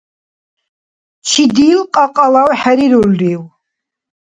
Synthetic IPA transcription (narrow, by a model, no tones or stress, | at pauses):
t͡ʃʰid̪iːlqʼaqʼalawħaɾiɾulːiw